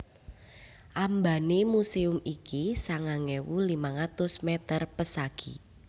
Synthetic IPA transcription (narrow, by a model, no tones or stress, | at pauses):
ʔambanemuseʊmikisaŋaŋɛwulimaŋat̪ʊsmɛt̪ərpəsaɡ̥i